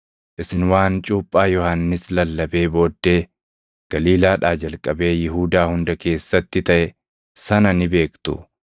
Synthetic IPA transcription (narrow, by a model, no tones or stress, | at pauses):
ʔɪsɪnwaːnt͡ʃʼuːpʼːaːjɔhɐnːɪslɐlːɐbe̞ːbo̞ːd̪ːe̞ː | ɡ̥ɐliːlaːᶑaːd͡ʒɐlkʼːɐbe̞ːjɪɦuːd̪aːhʊnd̪ɐke̞ːsːɐt̪ːɪt̪ɐʔɛ | sɐnɐnɪbe̞ːkt̪ʊ̰